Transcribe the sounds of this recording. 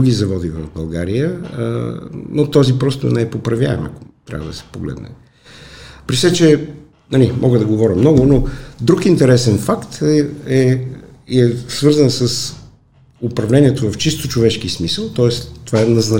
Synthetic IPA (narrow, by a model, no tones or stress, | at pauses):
uɡizɐvɔd̪ivɐ̰vbɐlˠɡaɾijə̰ | not̪ɔzipɾɔst̪o̰nɛɛpopɾɐvja̰ɛ̰mɐ̰ko̥t̪ɾʲa̰vəd̪ɐsɛ̥poɡlɛ̰d̪nɛ̰ | pɾisɛt͡ʃɛ | nɐlimʔɔɡəd̪ɐɡovɔɾʲəmnɔɡʊnod̪ɾukint̪ɛɾɛsɛnfakt̪ɛ | ɛsvɤɾzənsəs | ʊpɾɐvlɛniɛt̪ovɐft͡ʃist̪ot͡ʃovɛʃkismisəlˠt̪ɔɛst̪ovaɛnɐznɐ